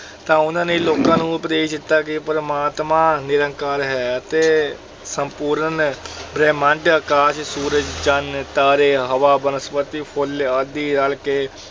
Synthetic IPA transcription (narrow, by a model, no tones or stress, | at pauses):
t̪ãːʊnãːneːloːkãːnũːəpd̪eːd̪ɪt̪ːaːkɪpəɾəmaːt̪mãːnɪɾə̃ŋkaːɾɦɛːət̪eː | səmpuːɾənbɾɛːmə̃ɳʈəkaːʃsuːɾəd͡ʒd͡ʒənt̪aːɾeːɦəʋaːbənəspət̪iːpʰʊləd̪iːnalkeː